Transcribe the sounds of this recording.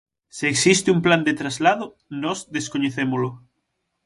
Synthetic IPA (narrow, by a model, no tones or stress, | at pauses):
seeksist̪ɪumpland̪et̪ɾazlaðʊ | nɔzðeskoɲeθemolʊ